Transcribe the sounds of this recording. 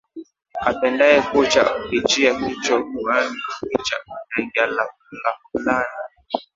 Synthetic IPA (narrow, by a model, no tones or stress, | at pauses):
apɛndaɛkut͡ʃa̰upit͡ʃiahit͡ʃɔkuanikit͡ʃanaɡala | lafulana